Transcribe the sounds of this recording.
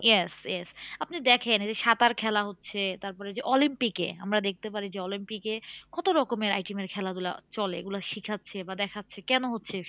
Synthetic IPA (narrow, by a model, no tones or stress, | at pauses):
jesjesapnid̪ɛkʰend͡ʑeʃat̪aɾkʰɛlaɦotːɕʰet̪aɾpɔɾed͡ʑeʔɔlimpikḛa̰mɾad̪ek̚ʰt̪epaɾid͡ʑeɔlimpikekɔt̪oɾɔkomeɾa̰jʈimeɾkʰɛlad̪ula̰t͡ɕɔlḛḛɡulaʃikʰatːɕʰebad̪ɛkʰatːɕʰekɛnoɦotːɕʰe